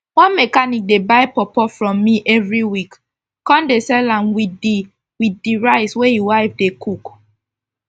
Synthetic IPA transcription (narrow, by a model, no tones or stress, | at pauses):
wɔ̃nmɛkanik̚debaɪpɔpɔfɹɔ̃mːiʔɛvɹiwik | kɔ̃ndesɛlãnwidi | widiɹaɪswejiwaɪfdekʰuk